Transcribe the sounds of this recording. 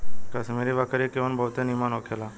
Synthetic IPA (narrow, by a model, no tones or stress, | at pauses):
kəsmeːɾeʋaːkəɾiekeʋənbʱəːt̪enimaːnoːkʰelaː